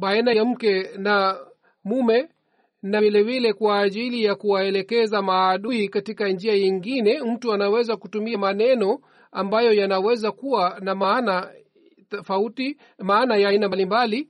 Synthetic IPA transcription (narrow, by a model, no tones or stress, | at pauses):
ɓaɛnaam̩kɛna | mumɛ | navilɛvilɛkwaːʄilijakuwaɛlɛkɛzamaːɗuikatikand͡ʒiajiŋɡinɛm̩tuanawɛzakutumiamanɛnɔ | ambajɔjanawɛzakuwanamana | fauti | maːnajainamalimbali